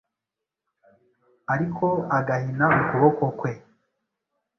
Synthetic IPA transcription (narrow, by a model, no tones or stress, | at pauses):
aɾikʰo̞aɡahinaukuβokokwe̞